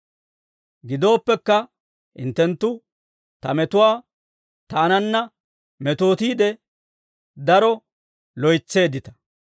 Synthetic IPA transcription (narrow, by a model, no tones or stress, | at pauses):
ɡɪd̪o̞ːpːɛkːɐ | hɪ̰nt̪ːɛnt̪ːʊ | t̪ɐ̰mɛt̪ʊwaː | t̪aːnɐnːɐ | mɛt̪o̞ːt̪iːd̪ɛ | d̪ɐɾɔ | lɔjt͡sːe̞ːd̪ɪt̪ɐ̥